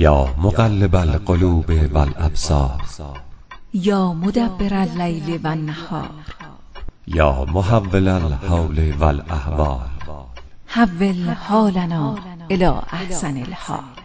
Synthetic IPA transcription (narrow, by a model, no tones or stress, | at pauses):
jɒːmoɡalːebælqoluːbevælʔæbsɒ̰ːɾ | jɒːmod̪æbːeɾælːæjlevænːahɒ̰ːɾɾ | jɒːmoɦavːelælhowlevælæhvɒːɾ | havːelhɒːlanɒːɾ | elɒ̰ːʔahsænelhɒ̰ːɾ